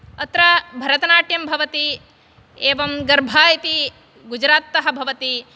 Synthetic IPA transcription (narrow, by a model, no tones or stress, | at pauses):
ɐt̪ɾɐbʱɐɾɐt̪ɐnaːʈjɐmbʱɐʋɐt̪i | eːʋɐmɡɐɾbʱaːjɐt̪i | ɡud͡ʒɾaːt̪ːɐɦɐ̆bʱɐʋɐt̪i